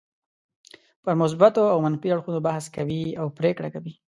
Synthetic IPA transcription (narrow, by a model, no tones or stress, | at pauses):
pəɾmʊs̬bat̪oawmanfiaɽxunobahskawiawpɾekɽakawi